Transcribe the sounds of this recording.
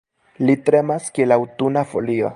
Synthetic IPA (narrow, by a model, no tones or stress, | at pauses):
lit̪ɾemaskielawt̪unafolio̰